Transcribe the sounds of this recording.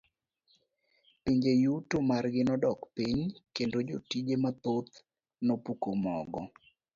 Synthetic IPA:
piɲd͡ʒejutomarɡɪnɔdɔkpiɲkendod͡ʒotid͡ʒemat̪ot̪ | nopukomɔɡɔ

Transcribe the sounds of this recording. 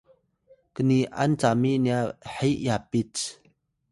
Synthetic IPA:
kəniʔa̰nt͡samiʔniahɛjʔjapit͡s

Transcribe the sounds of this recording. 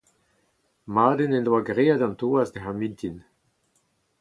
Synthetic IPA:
maːdenɛndwaɡʁeːadɑ̃nt̪oazd̪eɦamint̪in

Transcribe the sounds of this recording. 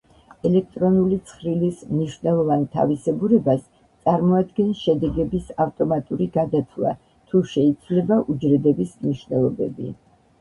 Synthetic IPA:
ɛlɛk̚ʰt̪ʼɾɔnulit̪sʰχɾilismniʃwvnɛlˠɔvant̪ʰa̰visɛbuɾɛbas | t̪sʼaɾmɔad̪ɡɛnʃɛd̪ɛɡɛbisaft̪ʼɔmat̪ʼuɾiɡad̪at̪ʰlˠa̰ | t̪ʰuʃɛid̪z̥lɛbaʔud͡ʒɾɛd̪ɛbismniʃwnɛlˠɔbɛ̰bḭ

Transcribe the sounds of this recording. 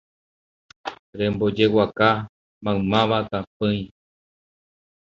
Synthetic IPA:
ɾẽ̞mbo̞d͡ʒe̞waka | mãɨmãʋat̪ap̚ɨ̃j̃

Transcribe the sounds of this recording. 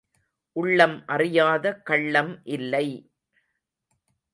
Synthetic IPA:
ʔʊɭːɐmʔɐrɪjaːðɐkɐɭːɐmʔɪlːɐɪ

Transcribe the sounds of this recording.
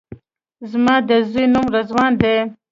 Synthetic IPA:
zmɑːd̪əzujnumɾazwɑːnd̪e

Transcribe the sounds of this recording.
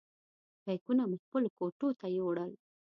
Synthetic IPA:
kajkunamuxpəlokoʈot̪ajoɽəl

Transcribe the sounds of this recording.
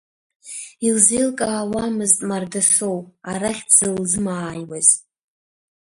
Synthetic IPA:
ilzelkʼaːwamɨztʼmardasowaɾaχʲd͡zɨld͡zɨmaːjwaz̥

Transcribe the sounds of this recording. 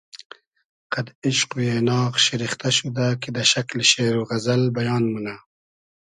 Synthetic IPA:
qad̪ɪʃqwienɑːɣʃɪɾixt̪aʃud̪aked̪əʃaklʃeɾoɣazalbajɑːnmuna

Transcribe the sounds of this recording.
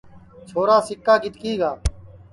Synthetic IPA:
t͡ʃʰoːɾaːsɪkːaːɡʱɪt̪kiːɡaː

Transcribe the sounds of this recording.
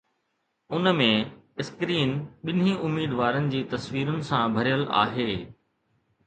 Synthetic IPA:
ʊnmẽ | ɪskɾiːnɓɪnĩʊmiːd̪ʋaːɾənɪ̆d͡ʑiːt̪ɐsʋiːɾʊnɪ̆sãbʱɐɾjəla̰ːɦeː

